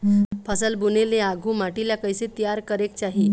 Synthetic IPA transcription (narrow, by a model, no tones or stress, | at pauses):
pʰəsəlbuneleaɡʱũmaʈiljakəjset̪ijaɾkəɾek̚t͡ɕaɦi